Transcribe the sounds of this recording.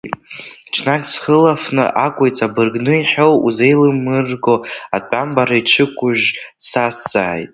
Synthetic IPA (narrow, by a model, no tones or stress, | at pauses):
t͡ʃʰnakʼsχəlafnɨ̰ʔakʷʼojt͡sʼabɨrɡnɨiħowuze̞jlɨmːɨrɡo̞atʷʼambaɾaiʈ͡ʂʰɨkʷʼʊʒsast͡sʼa̰ːjtʼ